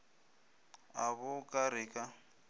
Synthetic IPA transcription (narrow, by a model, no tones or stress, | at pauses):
aβʊkʼaɾɪkʼa